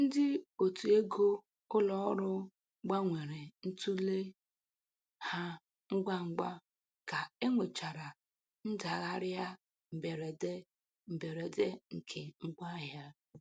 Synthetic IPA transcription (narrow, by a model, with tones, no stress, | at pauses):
n̩˦dɪ˦o˨tu˨e˦ɡo˦ | ʊ˦lɔ˦ɔ˦ɾʊ˦ | ɡ͡ba˦ŋʷe˨ɾe˨n̩˦tu˦le˦ | ha˦ | ŋ̩˦ɡ͡ba˦ŋ͡m̩˦ɡ͡ba˦ | ka˨e˦ŋʷe˨t͡ʃa˨ɾa˨ | n̩˦da˨ɣa˦ɾja˦ | m̩˨be˨ɾe˨de˦ | m̩˨be˨ɾe˨de˦ŋ̩˨kʰe˨ŋ͡m̩˦ɡ͡ba˦ɦja˦